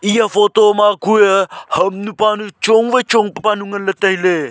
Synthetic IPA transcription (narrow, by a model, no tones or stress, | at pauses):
ijafoːt̪oːmakuehɐmnupaːnut͡ʃoŋʋet͡ʃoŋpɐpanuŋɐnlɐt̪ɐɦileː